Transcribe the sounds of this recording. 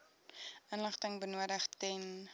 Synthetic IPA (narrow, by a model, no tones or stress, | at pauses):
ʔənləχtəŋbənuədəχtɛn